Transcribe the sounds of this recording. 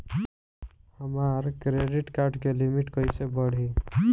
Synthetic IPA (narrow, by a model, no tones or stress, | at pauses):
həmaːɾkɾeːɖɪʈkaːɾɖkelɪmɪʈkəisebəɽ̤i